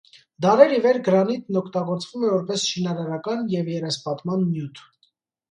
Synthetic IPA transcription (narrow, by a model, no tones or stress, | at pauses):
d̪ɑɾɛɾivɛɾɡəɾɑnit̪nɔkʰt̪ɑɡɔɾt͡svumɛvɔɾpɛsʃinɑɾɑɾɑkɑnjɛvjɛɾɛspɑt̪mɑnːjut̪ʰ